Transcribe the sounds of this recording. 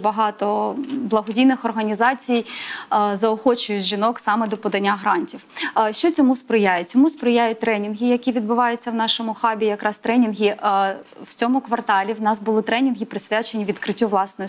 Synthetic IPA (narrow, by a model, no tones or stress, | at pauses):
bɐɦɑt̪ɔblˠɐɦɔdʲijnɪxɔrɦɐnʲizɑt͡sʲij | zɐɔxɔt͡ʃʊjʊtʲʒinɔksɑmɛd̪ɔpɔd̪ɐnʲːaɦɾɑnʲtʲiwʃt͡ʃɔt͡sʲɔmuspɾɪjajɛt͡sʲɔmuspɾɪjajʊt̚ʲt̪ɾɛnʲinɦɪjɐkʲiʋʲid̪̚bʊʋɑjʊt͡sʲːɐwnɑʃɔmʊxɑbʲijɐkɾʔɑst̪ɾɛnʲinɦʲiʔ | wt͡sʲɔmʊkʋɐrt̪ɑlʲiwnɑsbʊlˠɪt̪ɾɛnʲinɦʲipɾɪsʲʋʲat͡ʃenʲiʋʲid̪kɾɪtʲːuʋlˠɑsnɔj